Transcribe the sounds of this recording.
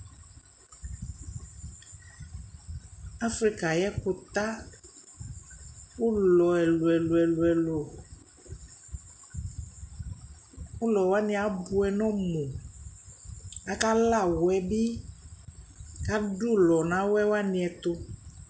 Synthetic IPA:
a˦fɾi˦ka˨jɛ˦ko˨t̪a˦ | wo˦lɔ˨ɛ˨lu˨ɛ˨lo˨ɛ˨lu˨ɛ˨lo˨ | o˦lɔ˨wa˦nĩ˦a˨bu˦ɛ˨nɔ̃˦mu˨ | a˦ka˦la˦˨wwɛ˨bi˦ | ka˦ɖu˦lɔ˨nã˨˦wɛ˦wa˦nĩ˨ɛ˨t̪o˦

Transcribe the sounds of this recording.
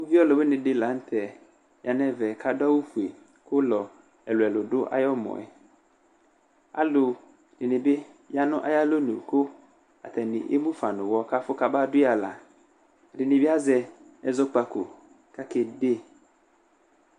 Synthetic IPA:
o˦vi˦ɔ˦lɔ˨bɪ˦nɪ̃˨dɪ˦la˨˦n̩˦tʰɛ˨ | jʔa˨nɛ˦vɛ˨kʰa˦da˦wu˦fu˨e˨ | kʰʊ˦lɔ˨ | ɛ˨lʊ˨ɛ˨lʊ˨dʊ˦ʔa̰˦jɔ˦mɔ̰̃˨ɛ̰˨ | a̰˦lʊ˨ | ɾɪ˨nɪ̃˨bɪ˦ | ja˦nʊ̃˦ʔa˦ja˦lo˦nʊ̃˨kʰʊ˦ | a̰˨tʰɛ˨nɪ̰̃˨ʔḛ˦mũ˦fa˨nʊ̃˨wɔ˦ka˦fʊ˦ka˦ba˦dʊ˦a˨la̰˨ | ɾɪ˨nɪ̃˨bɪ˦a˦zɛ˨ɛ˨zɔ˦k͡pa˨kʰʊ̰˨ | kʰa˦kɪ˨de˦

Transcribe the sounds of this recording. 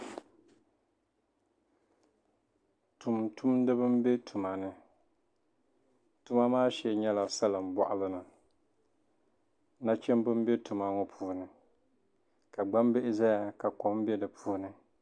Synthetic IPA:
tu˨mtu˦mdɨ˦bɨ˦m˦be˦tʰu˨ma˨nɨ˦ | tu˨ma˦maː˦ʃɛ˨ɲɛ˦la˨sa˦lɨ˨m̩˨bɔ̰˨ʔa˦lɨ˦nɨ˨ | na˦t͡ʃɛ˦mbɨ˦m˦be˦tu˨ma˦ŋɔ˦pʰuː˦˨nɨ˨ | ka˨ɡ͡ba˦mbe˦ʔɪ˦za˦ja˦ka˨kɔ˨m˦bɛ˦dɨ˨pʰuː˦nɨ˨

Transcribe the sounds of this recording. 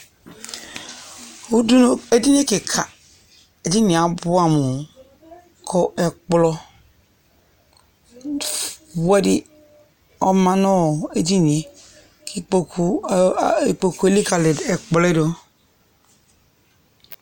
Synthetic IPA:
u˦du˦e˦di˦n˦e˦ke˨kʰa˨ | e˨di˦ni˨a˨bu˦a˨mu˨ | kʰɔ˦˨ʔe˨k͡plɔ˦ | we˦di˦ | ɔ˦ma˦nɔ˦˨e˨di˦ni˨e˨ | ki˦o˨ | k͡po˨ku˨˦e˦li˦ka˨le˨de˨k͡ple˦do˦

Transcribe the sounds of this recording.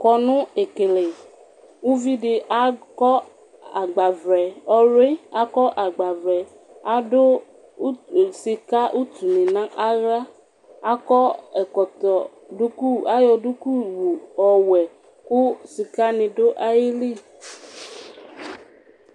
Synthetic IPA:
kɔ˨nʊ̃˦e˨ke˨le˨ | u˦vi˦ɖɪ˨ʔa˦kɔ˦ | a˨ɡ͡ba˨vɾɛ˨ɔ˦ɾe˦a˦kɔ˦ʔa˨ɡ͡ba˨vɾɛ˨ | a˨dʊ˦ | si˨ka˦ʔu˦t̪u˨nɪ̃˨nã˦ʔa˦ɣa˦ | a˦kɔ˦ɛ˨kɔ˨t̪ɔ˨ | du˦ku˦a˦jɔ˨du˦ku˦˨wu˨ɔ˨wɛ˨ | kʊ˦si˨ka˦nɪ̃˨do˦ʔa˦je˦li˦˨

